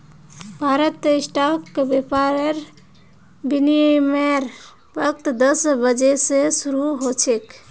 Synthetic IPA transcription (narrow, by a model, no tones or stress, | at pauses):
bʱaɾət̪ːisʈakːebepaɾeɾ | binimeɾ | bək̚t̪d̪əsbəd͡ʒesesuɾuɦot͡ʃʰek